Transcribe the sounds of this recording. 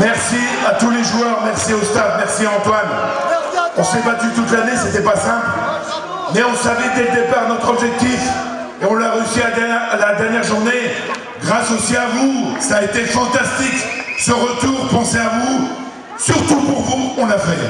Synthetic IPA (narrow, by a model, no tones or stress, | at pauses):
mɛʁsi | at̪uleʒuœʁmɛʁsiost̪ad̪mɛʁsiɑ̃t̪wan | ɔ̃sebat̪yt̪ut̪laneset̪ɛpasɛ̃pl | mɛɔ̃savid̪eləd̪epaʁnɔt̪χɔbʒɛk̚t̪if | eɔ̃laʁeysiad̪ɛalad̪ɛʁnjɛʁʒuʁne | ɡʁasosiavusaːet̪efɑ̃t̪ast̪iksəʁət̪uʁpɑ̃seavu | syʁt̪upuʁvuɔ̃lafɛ